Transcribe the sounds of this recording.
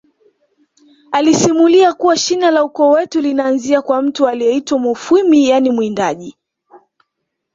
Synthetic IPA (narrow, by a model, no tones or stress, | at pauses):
alisimuliakuwaʃinalaukɔːwɛtulinaːnziakwam̩tualijɛitwamɔfumijanimwindaʄi